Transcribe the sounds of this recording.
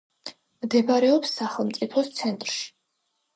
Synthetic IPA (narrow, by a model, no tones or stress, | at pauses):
md̪ɛbaɾɛɔpsːaχɛlˠmt̪sʼipʰɔst̪sʰɛnt̪ʼɾʃi̥